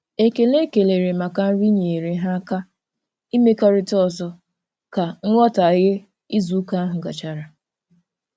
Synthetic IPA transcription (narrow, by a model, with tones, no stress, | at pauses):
e˦ke˨le˦ke˨le˨ɾe˨ma˨ka˨n̩˦ɾi˦ɲe˨ɾe˨˦ɦa˦ka˦ | i˦me˦ka˦ɾɪ˦tɔ˦˨zɔ˦ | ka˨ŋ̩˦ŋʷɔ˦ta˨ɣɪ˦ | i˦zu˨˦ka˦a˦ɦʊ˨ɡa̰˨t͡ʃa˨ɾa˨